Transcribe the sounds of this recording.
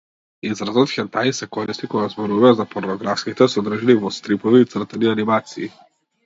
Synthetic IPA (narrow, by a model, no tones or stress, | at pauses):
izɾazɔt̪xʲɛnt̪ajisɛkɔɾist̪ikɔɡazbɔɾuvazapɔɾnɔɡɾafskit̪ɛsɔd̪ɾ̩ʒɛnivɔst̪ɾipɔviːt̪sr̩t̪ɛnianimat̪siː